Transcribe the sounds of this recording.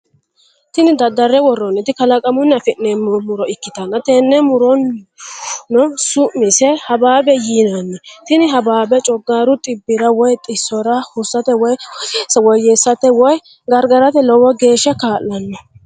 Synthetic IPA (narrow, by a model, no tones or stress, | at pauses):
t̪ɪnɪd̪ɐd̪ːɐɾːɛwɔrːɔnːɛt̪ɪkɐlɐkʼɐmʊnːɐfɪnːɛmɔmʊɾɔɪkːɪt̪ɐnːɐt̪eːnːɛmʊɾɔn | nːɔsʊʔmɪsɛhɐbaːbɛjiːnɐnːɛt̪ɪnɪɦɐbaːbɛt͡ʃʼɔɡːaːɾʊt̪ʼɪbːɪɾɐwɔjt̪ʼɪsːɔɾɐhʊsːɐt̪ɛwɔjsɐwɔjːesːɐt̪ɛwɔj | ɡɐɾɡɐɾɐt̪ɛlɔwɔɡe̞ːʃːɐkaːlːɐnːɔ